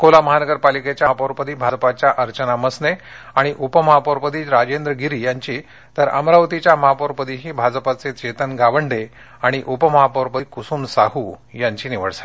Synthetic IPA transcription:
kolaməɦanəɡəɾpaliket͡ɕjapoʋɾpəd̪iːbʱad͡zəpat͡ɕjaʔəɾt͡ɕənaməsne | aɽ̃iʔupəməɦapoɾpəd̪iːɾad͡ʑend̪ɾəɡiɾiːjaɲt͡ɕiː | t̪əɾə̰mɾaʋət̪it͡ɕjaməɦapoɾpəd̪iɦiːbʱad͡zpat͡set͡ɕet̪ənɡaʋəɳɖe | aɽ̃iʔupəməɦapəʋɾpəkusuːmsaɦujaɲt͡ɕiːniʋəɽsḁt̪

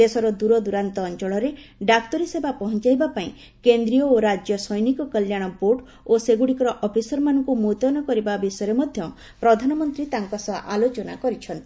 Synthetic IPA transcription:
esɔɾɔd̪uɾɔd̪uɾant̪ɔːnt͡ʃɔɭɔɾeɖak̚t̪ɔɾisebapɔɦɔnt͡ʃajbapaĩ | kend̪ɾiɔoɾad͡ʒjɔsɔjnikɔkəljaɽ̃ɔboʈ | oseɡuɽikɔɾɔʔɔpʰisɔɾɔmanɔŋkumut̪ɔnɔkɔɾibabisɔjɔɾemɔd̪ʱjɔ | pɾɔd̪ʱanɔmɔnt̪ɾit̪aŋkɔsɔʔalot͡ʃɔna̰kɔɾit͡ʃʰɔnt̪ii

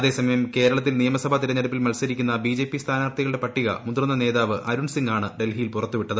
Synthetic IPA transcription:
ɐðe̞ːsɐmɐjɐmke̞ːɾɐɭɐt̪ːilnijɐmɐsɐbʱɐt̪iɾɐɲːɐɽɐpːilmɐlsɐɾikʲːunːɐbid͡ʑe̞ːpːist̪ʰaːnaːrt̪ʰiɣɐɭɨɽe̞pɐʈːiɣɐ̰mund̪rɨnːɐne̞ːðaːʋɨʔɐɾuɳsiŋɡaːɳɨɖe̞lɦijilpurɐt̪ːuʋiʈːɐðɨ

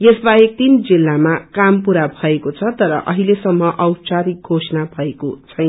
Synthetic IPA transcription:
jesbaek̚t̪ind͡zilːamakampuɾabʱʌekot͡sʰʌt̪ʌɾʌ̰ʔʌɦilesʌmːʌʔʌwt͡saɾiɡʱosnabʱʌekot͡sʰʌjn

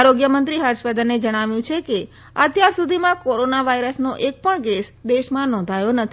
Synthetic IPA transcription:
aɾoɡjəmənt̪ɾiɦəɾʃpəd̪ənːed͡ʒəɽ̃aʋjũt͡ʃʰeke | ə̰t̪jaɾsud̪ʱimãkoɾonaʋaiɾəsnoʔek̚pəɳɡesd̪eʃmãnɔ̃nd̪ʱajonət̪ʰi

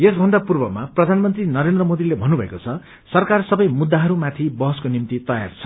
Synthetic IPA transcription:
esbʱʌnd̪apurbʌmaprʌd̪ʱanmʌnt̪rinʌɾend̪rʌmod̪ilebʱʌnubʱʌḛkot͡sʰʌ | sʌrkarsʌbʌjmud̪ːaɦʌɾumat̪ʰibʌɦʌskonimt̪it̪ʌja̰rt͡sʰʌ̥

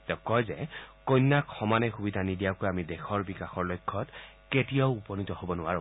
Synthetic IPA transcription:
tɛʊ̃kɔjzɛkojnːakxɔmanɛxubidʱanidijakojamidexʰɔɹbikaxɔɹlojkʰːɔt | ketijaʊupɔnitɔhobɔnʊwaɹʊ̰̃

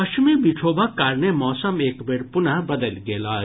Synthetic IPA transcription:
ɐʃmibiʈʰoːbakaːɾnemɔːsɐmeːkbeɽpʊnabɐd̪əlɡeːlaː

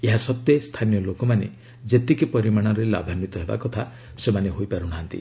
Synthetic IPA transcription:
eɦasɔt̪jest̪ʰanijɔlokɔmanḛ | d͡ʒet̪ikipɔɾimaɽ̃ɔɾela̰bʱanit̪ɔɦeba̰kɔt̪ʰa | semaneɦojpaɾuɽ̃aɦant̪ḭ

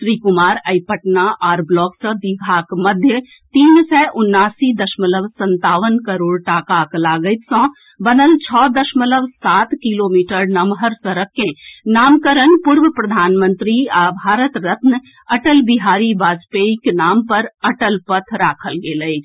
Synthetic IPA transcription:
sɾikʊmaːɾəɪpəʈnaʔɔːɾblɔːksə̃d̪iɡʱaːkmɐd̪ʱjə | t̪iːnsɛːʔʊnːaːsid̪əʃmələʋsə̃nt̪aːʋənkəɾoːɽʈaːkaklaːɡəjt̪sɔ̃ː | bənəlt͡ʃʰɔːd̪əʃmələʋsaːt̪kiloːmiːʈəɾnɐmɦəɾsəɾəkːẽnaːmkəɾənpuːɾʋəpɾəd̪ʱaːnmə̃nt̪ɾiabʱaːɾət̪ɾɐt̪nə | ɐʈəlbiɦaːɾibaːd͡ʒpeiknaːmpəɾɐʈəlpət̪ʰɾaːkʰəlɡeːləid͡ʒ

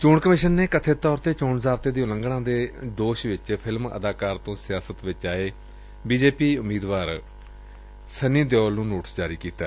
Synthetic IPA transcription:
t͡ʃoːɳkəmɪʃənːeːkət̪ʰeːt̪ɔːɾt̪eːt͡ʃoːɳzaːɾt̪eːd̪iːʊlə̃ŋɡɽãːd̪eːd̪oːʃʋɪt͡ʃpʰɪlmə̰d̪aːkaːɾt̪õːsɪjaːsət̪ʋɪt͡ʃaːeː | biːd͡ʒeːpiːʊmːiːd̪ʋaːɾ | səniːd̪jɔːlnũːnoːʈəsd͡ʒaːɾiːkiːt̪a̰ː

